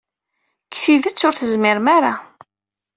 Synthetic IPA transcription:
ksiðət͡sːʊɾθəzmɪɾmaɾa

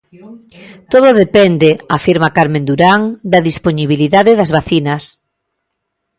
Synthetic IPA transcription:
t̪oðoðepɛnd̪eafiɾmakaɾmẽnd̪uɾaŋd̪ɐðisponiβiliðaðɪðɐzβaθinɐs

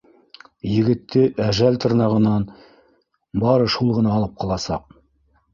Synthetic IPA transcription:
jɘ̆ɡɘ̆t̪ʰːɘʔæʒælt̪ɤ̆ɾnɑʁɤ̆nɑn | bɑɾɤʃulˠʁɤ̆nɑːlˠɤp̚qʰɑlˠɑsɑ̰q̚

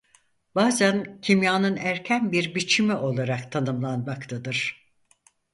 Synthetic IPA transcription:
b̥aːzæncʰimjaːnɯnæɾcʰænbiɾbit͡ʃʰimiʔo̞lˠaɾakt̪ʰanɯmlˠanmakt̪ʰad̪ɯɾ̥

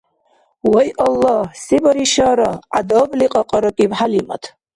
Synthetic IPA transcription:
wɔjʔɔlːɔhsibɔɾiʃaɾɔʔa̰d̪ɔbliqʼɔqʼɔɾɔkʼibħalimɔ̰t̪ʰ

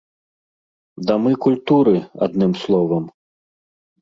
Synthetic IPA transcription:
d̪ɐmɨkulʲt̪uɾɨa̰d̪nɨmslˠɔvɐm

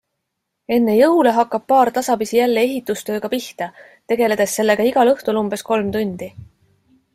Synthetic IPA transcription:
e̞nːe̞jɤule̞ɦɑkːˑɑb̥̚pɑːrt̪ɑsɑbisijælːee̞ɦit̪ːˑust̪ø̞ːɡ̥ɑpiht̪ɑ | t̪e̞ɡ̥e̞le̞d̪̥e̞sːe̞lːe̞ɡ̥ɑiɡ̥ɑlɤht̪ulumbe̞sko̞lmt̪unʲd̪̥i

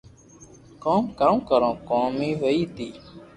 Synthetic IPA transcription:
koːmkamkəɾõːkoːmĩːɦoːiːt̪iː

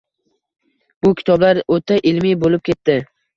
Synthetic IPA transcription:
bʊkʲʰɪ̥t̪ʰɒblaɾot̪ʰaʔɪlmibolɪp̚kʲe̞t̪ːɪ

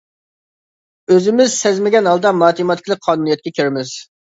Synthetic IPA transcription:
øzɪmɪzsɛzmɪɡʲɛnɦɑlˠd̪ɑmɑːt̪ʰimɑt̪ʰkʰʲlˠək̚qʰːɑːnunijɛt̪̚kʲɛkʲʰøɾɪmɪz̥

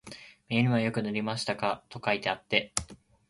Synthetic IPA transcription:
meːɾʲɯ̟̃βajo̞kɯ̟nɯɾʲimaɕi̥t̪akat̪o̞kait̪eat̪ːe̞

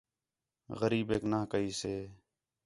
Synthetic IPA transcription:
ɣəɾiːbeːknaːkəiːseː

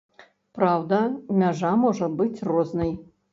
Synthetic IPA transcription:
pɾawd̪ɐmʲaʐamɔʐɐbɨt͡sʲrɔznɨj

